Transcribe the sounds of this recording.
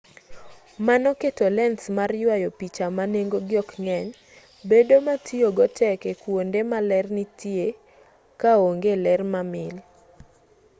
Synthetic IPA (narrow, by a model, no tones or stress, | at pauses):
manɔketolɛnsmarjwajopit͡ʃamaneŋɡoɡɪɔkŋɛɲ | bedomatʰioɡɔtɛkɛkwondemalɛrnɪtje | kaoŋɡelɛrmamɪl